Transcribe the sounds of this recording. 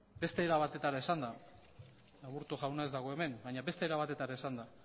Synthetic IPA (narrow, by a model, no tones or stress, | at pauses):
be̞st̪e̞ːɾaβat̪e̞t̪aɾaesand̪a | aɣuɾt̪oʝawnae̞zd̪aɣ̞o̞e̞me̞nɡaɲaβe̞st̪eɾaβat̪e̞t̪aɾaesand̪a